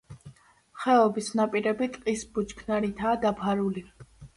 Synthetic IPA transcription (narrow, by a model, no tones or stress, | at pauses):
χɛɔbisnapʼiɾɛbit̪ʼqʼisbut͡ʃkʰnaɾit̪ʰaːd̪apʰaɾuli